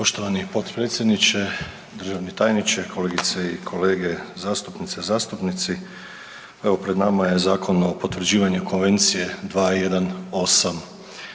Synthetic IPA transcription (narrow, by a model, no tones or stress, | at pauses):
po̞ʃt̪oʋanipo̞t̪pɾe̞ːt̪sʲje̞d̪nit͡ʃe̞ | d̪r̩ʒaʋnit̪aːjnit͡ʃekʰo̞le̞ːɡit̪seikʰo̞leːɡezaːst̪upnit̪sezaːst̪upnit̪si | eʋo̞pɾed̪namaje̞zaːkʰo̞no̞po̞t̪ʋɾ̩d͡ʑiːʋaɲuko̞nʋe̞nt̪sije̞d̪ʋaːje̞d̪ano̞sam